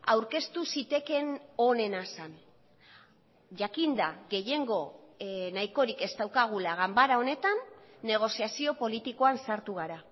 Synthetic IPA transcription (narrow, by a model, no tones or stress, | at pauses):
awɾke̞st̪usit̪e̞ke̞no̞ne̞nasan | ʝakind̪aɣe̞je̞ŋɡo̞najko̞ɾike̞st̪awkaɣ̞ulaɣambaɾao̞ne̞t̪anːe̞ɣ̞o̞siasio̞po̞lit̪iko̞ansaɾt̪uɣ̞aɾa